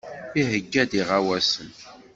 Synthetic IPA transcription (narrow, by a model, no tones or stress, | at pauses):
iɦəɡːæd̪iʁawæsən